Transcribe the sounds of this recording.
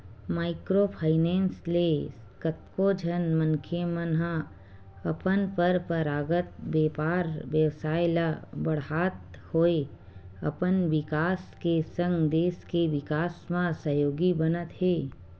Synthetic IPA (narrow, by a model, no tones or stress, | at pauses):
maːɪkɾopʰaːɪnẽːnsle | kət̪̚kod͡ʒʱənmə̃nkʰemənɦã | ɐpənpəɾpəɾaːɡət̪̚beːpaːɾʋjəwsaːjlabəɽ̤aːt̪̚hoːe | ɐ̰pənʋɪkaːskesə̃ŋɡd̪eːskeʋɪkaːsmãsəjoːɡibənət̪ɦeː